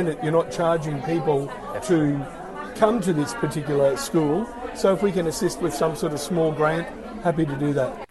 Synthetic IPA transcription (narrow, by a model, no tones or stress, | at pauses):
nɨt͡ʃə˞nət̚t͡ʃʰɑɹd͡ʒɪ̃ŋpʰipl̩ˠ | tʰɨ | kʰʌ̃mtɨðɪspʰə˞tʰɪkjl̩ˠə˞skulˠ | soʊəfwikɨ̃nɨsɪst̚wɨð̥sʌ̃msɔɹɾʌv̥smɔlˠɡɹæ̃nt̚ | hæp̬iɾɨdɨðæt̚